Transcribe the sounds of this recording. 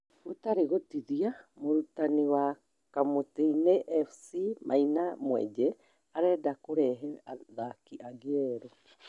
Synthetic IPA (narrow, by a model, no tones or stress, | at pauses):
utaɾeɣotiðiamoɾutaniwa | kamotineʔefsimʔa̰jnamuḛd͡ʒe | aɾedakuɾeɦeaðakiʔaɡeɾo